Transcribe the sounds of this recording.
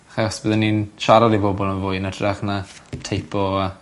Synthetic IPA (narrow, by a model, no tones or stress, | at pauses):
aχɛɔsbɨðənːinʃaɾɔdibɔbɔlˠənvʊɨnədraχnatʰejpʰɔa